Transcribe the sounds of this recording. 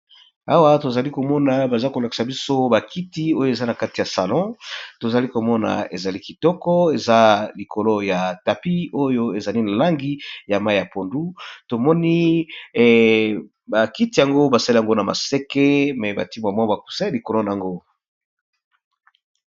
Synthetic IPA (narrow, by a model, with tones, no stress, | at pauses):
a˦wa˦to˨za˨li˦ko˨mɔ˦na˨ba˨za˦ko˨la˨ki̥˨sa˨bi˦so˦ba˨ki˦ti˦o˦jo˨e˨za˦na˨ka˦ti˨ja˨sa˨lɔ̃˦to˨za˨li˦ko˨mɔ˦na̰˨e˨za˨li˦ki˨tɔ˦kɔ˦e˨za˦li˨ko˨lo˦ja˨ta˨pi˦o˦jo˦e˨za˨li˦na˨la˦ŋɡi˦ja˨ma˦˨ja˨po˨ndu˦to˨mɔ˦ni˦˨ | ba˨ki˦ti˨ja˨ŋɡo˦ba˨sa˦li˦a˨ŋɡo˦na˨ma̰˨se˦ke˦mɛ˨ba̰˨ti˦mwa˨ma˦ba˨ku̥˨sɛ˦li˨ko˨lo˦na˨a˨ŋɡo˦